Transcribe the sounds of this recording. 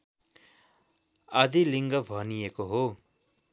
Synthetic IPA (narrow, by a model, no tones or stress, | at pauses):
ʌd̪iliŋɡʌbʱʌnijekoɦo